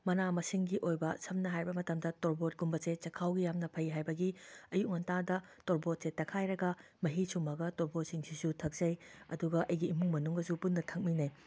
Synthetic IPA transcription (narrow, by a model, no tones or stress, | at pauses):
mɐnamɐsiŋɡiʔojbɐsɐmnɐɦajbɐmɐtɐmdɐtoɾbot̚ɡumbɐset͡ʃɐkʰawɡijamnɐpʰɐjiɦajbɐɡiɐjuk̚ŋɐntadɐtoɾbot̚setːɐkʰajɾɐɡɐ | mɐɦisʰumɐɡɐtoɾbot̚siŋsisutʰɐk̚zɐjɐ̰duɡɐʔɐjɡiːmuŋmɐnuŋɐsupunːɐtʰɐk̚minɐj